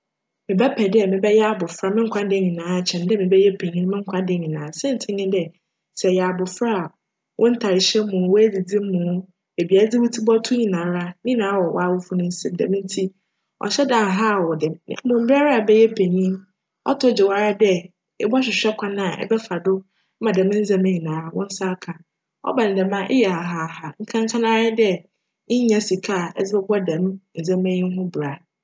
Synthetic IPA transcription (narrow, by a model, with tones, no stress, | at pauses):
mɪ̃˨bɛ˦pʰɛ˨dɛ˦mɪ̃˨bɛ˦jɛ˦a˨bʊ˨fɾa˦mɪ̃˦ŋ̩˦kʷʰa˦dẽ˦ɲĩ˨nãː˨˦˨t͡ɕʰɛ̃˨ndɛ˦mɪ̃˨bɛ˦jɛ˦pʰe˨ɲĩ˦n˦mɪ̃˦ŋ̩˦kʷʰa˦dẽ˨ɲĩ˨nãː˨˦sɛ̃˦n̩˨tʰɪ˦ɲɪ̃˦dɛ˦ | sɛ˨jɛ˨a˨bʊ˨fɾa˦˨ | wʔɔ̃˦n̩˦tʰa˨ɾɪ˨ɕɛ˦m˦mʊ̃˨˦wɔ˦æ˦d͡zi˨d͡zi˦m̩˦mʊ̃˨ | e˨bi˨a˨˦d͡zi˦wu˦tʰi˦bɔ˦tʰʊ˦ɲĩ˨nã˨˦ɾa˦nɪ̃˦nãː˨˦wɔ˨wʔɔ̰˨˦a˦wʊ˦fʊ˦nʊ̃˦n̩˦si˦mdɛ̰˨mɪ̃˦n˦tʰi˦ | ɔ̰˨ɕɛ˦da˨ɦa˦˨wɔ˨dɪ˨mnã̰˨˦bʊ̃˨m̩˨ba˦ɾa˦˨bɛ˦jɛ˦pʰe˨ɲĩ˦m | ɔ̰˦tʰʊ˦d͡ʑɪ˨wa˦ɾa˦dɛ˦ | ɛ˦bɔ˦ɕ̬ᶣɪ˨ɕᶣɛ˦kʰʷa˦nã˨ʔɛ̰˦bɛ˦fa˨dʊ˦ | mã˨da˨mɪ̃˦n̩˦zã˦mẽ˦ɲĩ˨nãː˨˦˨wɔ̰̃˦n̩˦sa˦kʰã˨ | ɔ̰˦bã˨nɪ˨dɛ˨mã˦ʔḛ˦jɛ˨a˨ɦa˨ha˨ŋ̩˦kʰã˦ŋ˦kʰã˦nã˦ɾɪ˦dɛ˦ | ɲã˦si˨kʰa˦˨ɛ˦d͡zɪ˦bɛ˦bɔ˦dã˨m˦n̩˨zɛ̃˦mɛ̃˦ɲĩ˦n˦ɦʊ̃˦bɾa˨